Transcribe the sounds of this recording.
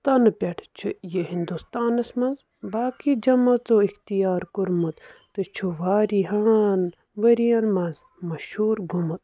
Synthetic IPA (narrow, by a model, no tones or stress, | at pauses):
t̪ɐnɨpʲeʈʰt͡ʃʰɨjeɦind̪ust̪aːnɐsmɐ̃nz | baːkid͡ʒɐmɐt͡soːixt̪ijaːɾkuɾmut̪t̪ɨt͡ʃʰuʋaːɾiɦaːn | ʋɐɾijɐnmɐnz | mɐʃhuːɾɡʱumut̪̚